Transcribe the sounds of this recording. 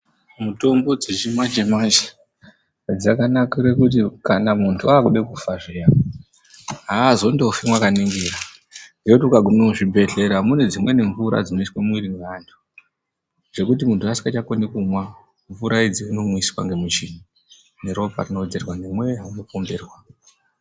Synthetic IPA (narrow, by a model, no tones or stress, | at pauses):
muto̞mbo̞d͡zet͡ʃimad͡ʒemad͡ʒe̥ | d͡zakanakiɾekut̬ikanamuntʰuaːkuɗekufaʐea | ɦazo̞ndofimwakaniŋɡiɾa | ndiekutiukaɡʱumomuʐibʱe̞ɮe̞ɾamune̞d͡zimwe̞ne̞ɱvuɾa̰d͡zino̞itwemwiɾiŋɡandʰu̥ | ʐ̥e̞kutimuntʰuasi̥ŋɡat͡ʃakonekumwa | ɱvuɾaid͡ziino̞mwisiwaŋɡe̞mit͡ʃini | neɾo̞pa̰rinod͡zerwanemwe̞ɦaino̞komberwa